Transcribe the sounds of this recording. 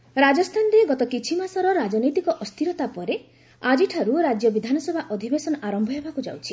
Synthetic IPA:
ɾad͡ʒɔst̪ʰand̪eɡɔt̪ɔkit͡ʃʰimasɔɾɔɾad͡ʒɔnɔjt̪ikɔʔɔst̪ʰiɾɔt̪apɔɾe | ad͡ʒiʈʰaɾuɾad͡ʒjɔbid̪ʱanɔsɔbʱaʔɔd̪ʱibesɔnɔʔaɾɔmbʱɔɦebakud͡ʒa̰wt͡ʃʰi

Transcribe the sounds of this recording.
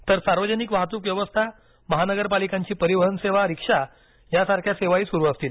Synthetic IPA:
t̪əɾsaɾʋəd͡ʑənikʋaɦt̪̬uːkʋjɛʋəst̪ʰa | məɦanəɡəɾpalikãɲt͡ɕiːpəɾiʋəɦənseʋaɾikʂa | jasaɾkʰjaseʋaiːsuɾuːast̪iːl

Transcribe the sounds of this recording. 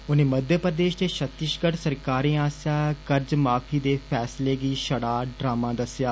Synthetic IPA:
ʊnẽːməd̪jəpɾəd̪eːʃd̪eːʃət̪ɪʃɡəʈsəɾkaːɾĩːaːsaːkəɾd͡ʒmaːpʰiːd̪eːpʰɛːsleːɡiːʃəɽaːɖɾaːmãːd̪əsjaː

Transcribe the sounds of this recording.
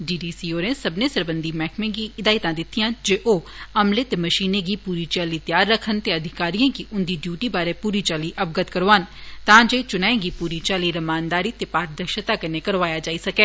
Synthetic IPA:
ɖiːɖiːsiːoːɾẽːsəbnẽːsəɾbənd̪iːmɛːkmẽːɡiːɪd̪aːit̪ãːd̪ɪt̪ʰːijãːd͡ʒeːʔoː | əmleːt̪eːməʃiːneːɡiːpuːɾiːt͡ʃaːliːt̪jaːɾːəkʰːənt̪eːəd̪ʱɪkaːɾijãːkiʔʊnd̪iːɖjuːʈiːbaːɾeːpuːɾiːt͡ʃaːliːʔəbɡət̪kəɾoːaːnt̪ãːd͡ʒeːt͡ʃʊnãːẽɡiːpuːɾiːt͡ʃaːliːɾəmaːnd̪aːɾiːt̪eːpaːɾ̚d̪əʃət̪aːkəneːkəɾʋaːjaːd͡ʒaːisəkeː

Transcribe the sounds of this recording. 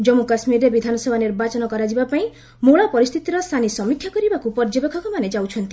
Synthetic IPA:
d͡ʒɔmukasmiɾːebid̪ʱanɔsebʱaniɾbat͡ʃɔnɔkɔɾad͡ʒibapaĩ | moɭapɔɾist̪ʰit̪iɾɔst̪ʰanisɔmikʰjakɔɾibakupɔɾd͡ʒɔbekʰɔkɔmaned͡ʒawt͡ʃʰɔnt̪i

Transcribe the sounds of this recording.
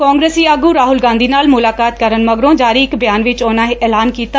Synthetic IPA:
kãːŋɡɾeːsiːaɡuːɾaːɦʊlɡãːnd̪iːnaːlmʊlaːkaːt̪̚kəɾənməɡɾõːd͡ʒaːɾiːɪkbɪjaːnʋɪt͡ʃoːnãːɦeːʔɛːlaːnkiːt̪a

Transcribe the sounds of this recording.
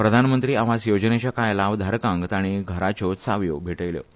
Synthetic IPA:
pɾəd̪ʱanmənt̪ɾiːaʋasjod͡znet͡ɕjakajlaʋd̪ʱaɾkãŋɡt̪aɽ̃iɡʱəɾat͡ɕosaʋjobʱeʈəjljo̰

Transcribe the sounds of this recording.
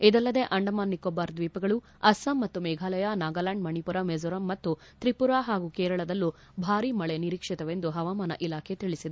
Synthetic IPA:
id̪ɐlːɐd̪e̞ʔɐɳɖɐmaːnːikːobaɾd̪ʋiːpɐɡɐɭu | ɐsɐmːɐt̪ːumɛːɡʱaːlɐjɐnaːɡaːlaɳɖmɐɳipuɾɐmed͡ʒuɾɐmːɐt̪ːu | t̪ɾipuɾaɦaːɡukɛːɾɐɭɐd̪ɐlːu | bʱaːɾimɐɭeniɾiːkʂit̪ɐʋe̞nd̪uɦɐʋaːmaːnɐ̰ʔilaːkʰet̪iɭisid̪e

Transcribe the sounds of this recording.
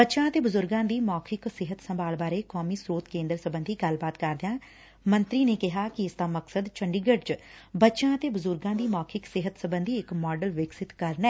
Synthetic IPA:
bətːʃãːət̪eːbəzʊɾɡãːd̪iːmɔːkʰɪksɪɦət̪səmbʱaːlbaːɾeːkɔːmiːsɾoːt̪kẽːnd̪əɾsəbə̃nd̪ʱiːɡəlbaːt̪kəɾd̪jãː | mə̃nt̪ɾiːneːkɪɦaːkɪɪsd̪aːməksəd̪t͡ʃəɳɖiːɡəɖt͡ʃbətːʃãːət̪eːbəzʊɾɡãːd̪iːmɔːkʰɪksɪɦət̪səbənd̪ʱiːɪkmɔːɖəlʋɪksɪt̪kəɾnɛː

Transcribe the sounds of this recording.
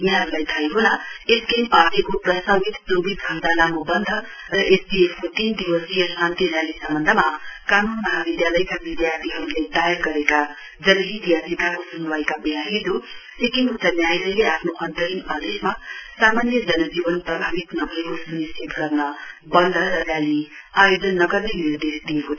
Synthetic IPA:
iɦãɾulajt̪ʰajɦonʌeskempatikoprʌsabit̪probid̪kʰʌnd̪alamobʌnd̪ʱʌ | rʌʔesbiepʰkot̪ind̪iwʌsijʌsant̪iɾjalisʌmbʌnd̪ʱʌmakanunmʌɦabid̪jalʌjkabid̪jart̪ʰiɦʌɾuled̪ajerɡʌɾeka | d͡zʌlɦid̪ijasikakosunuwajkabejaɦid̪ʱosekiŋɦunt͡sanjajlʌleapʰnoʔʌnt̪ʌɾimad̪esmasamanjʌd͡zʌnʌd͡zibʌnprʌbʱabit̪nʌbʱʌekosunisib̪ɡʌrnʌbʌnd̪ʱʌɾʌrjaliajod͡zʌnːʌɡʌrnenird̪esd̪ijeko

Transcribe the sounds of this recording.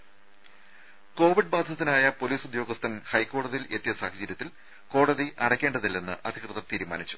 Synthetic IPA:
ko̞ːʋiɖ̚baːd̪ʱjɐt̪ːinaːjɐpo̞liːsud̪jo̞ːɡɐst̪ʰɐnhɐjkːo̞ːɽɐðijile̞t̪ːijɐsaːɦɐd͡ʑɐɾjɐt̪ːil | ko̞ːɽɐðiʔɐɽɐkʲːe̞ːɳɖɐðilːe̞nːɨʔɐd̪ʱikrɨðɐt̪iːɾumaːnit͡ɕːu̥

